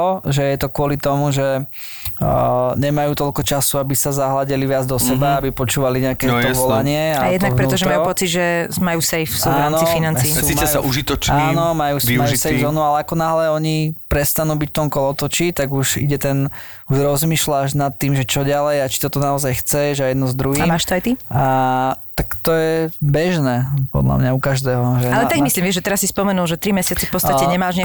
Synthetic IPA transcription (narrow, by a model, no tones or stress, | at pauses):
ɔʒɛjɛt̪ɔkʊɔlit̪ɔmuʒɛ | ɲɛmajuːt̪ɔlkɔt͡ʃasuabisazaɦlaɟɛliʋɪad͡zd̪ɔsɛbaabipɔt͡ʃuːʋaliɲɛakɛt̪ɔʋɔlaɲɪɛaajɛd̪nakpɾɛt̪ɔʒɛmmajupɔt͡sid̪ʒɛmajuːsɛjfsuaanɔifinaniːimaɛjaʔuʒit̪ɔt͡ʃainɔmajuːsimajʒisɛjvzɔːnualɛakɔnaɦlɛɔɲipɾɛst̪anuːbicft̪ɔmkɔlɔt̪ɔt͡ʃit̪aɡuʒḭɟɛt̪ɛn | uʒɾɔzmiːʃlaʒnat̪ːiːmʒɛt͡ʃɔɟalɛjat͡ʃi̥t̪ɔt̪ɔnaɔzajxt͡sɛʒajɛd̪nɔzd̪ɾuɦiaːmaːʃt̪ɔajt̪iat̪akt̪ɔjɛbɛʒnɛːpɔ̰d̪la̰mɲaukaʒd̪ɛːɦɔʒɛallɛt̪aɡmmisliːmʋjɛʒɛt̪ɛɾasːispɔmɛnulˠʒɛt̪ɾimɛsɪat͡sɛfpɔt͡st̪acɛɲɛmaːʒɲɪa